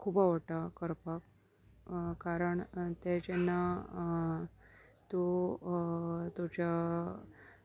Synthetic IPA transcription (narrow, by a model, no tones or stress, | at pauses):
kʰuːbaʋəʈakəɾpak | kaɾəɳt̪ɛt͡ɕenːa | t̪u | t̪ut͡ɕa